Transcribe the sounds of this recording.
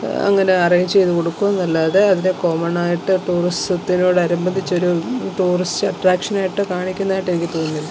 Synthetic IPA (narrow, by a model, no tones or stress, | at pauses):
ɐ̰ŋːɐne̞ɐrɐjɲt͡ɕe̞jt̪uko̞ɽukːuʋenːɐlːaːðeɐðinekomɐɳaːjiʈːɨʈuːristɐt̪ːino̞ːɽɐɾumbɐnd̪ʱit͡ɕːo̞ɾuʈuːristɨɐʈraːkʂɐnaːjiʈːɨkaːɳikʲːunːaːjiʈːe̞nikʲːɨt̪oːnːilːɐ